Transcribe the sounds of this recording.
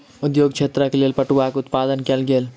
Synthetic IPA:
ud̪joɡt͡ʃʰet̪ɾakelelpəʈuakeʊt̪pad̪ənkelɡel

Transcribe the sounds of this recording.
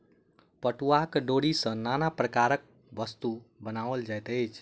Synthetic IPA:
pəʈuakɖoɽisə̃nanapɾəkaɾək̚ | bəst̪ubənaʋəld͡ʒajt̪əjt͡ʃʰ

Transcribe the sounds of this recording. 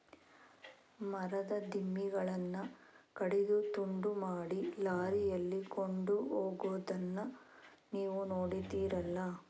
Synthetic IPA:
mɐɾɐd̪ɐd̪ʱimːiɡɐɭɐnːɐkɐɽid̪ut̪uɳɖumaːɽilaːɾijɐlːikoɳɖuɦoːɡud̪ɐnːɐ | niːʋunoːɽid̪iːɾɐlːɐ

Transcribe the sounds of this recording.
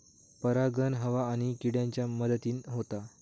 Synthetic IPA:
pəɾaɡənɦəʋaːɽ̃ikiɽjãɲt͡ɕjaməd̪ət̪iːnɦot̪a

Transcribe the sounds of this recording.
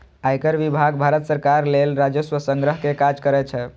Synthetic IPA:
ajkəɾʋibʱaɡbʱaɾət̪səɾkaɾlelɾad͡ʒəswəsəŋɡɾəɦkekad͡ʒkəɾɛt͡ʃʰɛ

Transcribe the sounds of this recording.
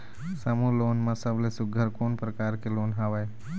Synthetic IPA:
səmuloːnmãsəblesʊɡʱəɾkoːnpɾəkaːɾkeloːnɦaʋae

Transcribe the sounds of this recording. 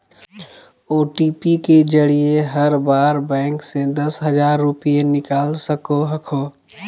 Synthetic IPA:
oːʈipiked͡ʒəɽijeɦəɾbaːɾbɛ̃ːŋksed̪ɐsɦəd͡ʒaːɾːʊpienɪkaːlsəkoɦəkʰoː

